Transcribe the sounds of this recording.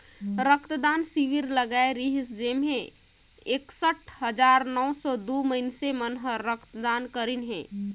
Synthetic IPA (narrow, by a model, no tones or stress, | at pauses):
ɾəkʰt̪d̪aːnsiʋiɾləɡaeɾiɦisd͡ʒeːmɦẽ | eksəʈʰɦəd͡ʒaːɾnɔwsɔd̪oməɦɪnsemənɦəɾəkʰt̪d̪aːnkəɾinɦɛ̰̃ː